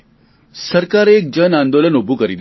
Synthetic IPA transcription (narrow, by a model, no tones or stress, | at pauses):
səɾkaɾeek̚d͡ʒənãnd̪olənobʱukəɾid̪